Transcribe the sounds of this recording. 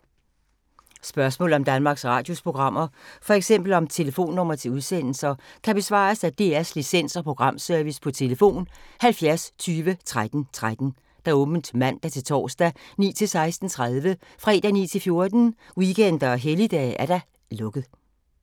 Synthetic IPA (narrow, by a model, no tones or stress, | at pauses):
sb̥ɶɐsmɔ̰̽ːl̩ɒmd̥ænmɑ̈ːɡ̥sʁɑ̰̈ːd̥jo̝spʰʁo̝ɡ̥ʁɑ̈m̰ɐfɒ̽eɡ̥sem̰b̥l̩ɒ̽mt͡sʰe̝ləfo̝̰ːnːɔ̽m̰ɐt͡sʰe̝uð̞ˠsen̰l̩sɐkʰæb̥e̝sʋɑ̰̈ːsæd̥e̝̰ːæslisen̰sɒ̽pʰʁo̝ɡ̥ʁɑ̈m̰sœɐʋispʰɒ̽t͡sʰe̝ləfo̝̰ːnhælfjæɐst͡sʰyːʋət͡sʰʁad̥n̩t͡sʰʁad̥n̩ | d̥æɔ̽ːb̥n̩d̥mæn̰d̥æt͡sʰe̝lt͡sʰɒ̰ːsd̥ænḭːt͡sʰe̝lsɑ̈ɪsd̥n̩t͡sʰʁaðˠʋəfʁɛ̰ːd̥ænḭːt͡sʰe̝lfjo̝ɐd̥n̩ | wikʰen̰d̥ɐɒɦelid̥ɛ̰æɐɾ̥ɑ̈ | lɔ̽ɡ̥ð̩ˠ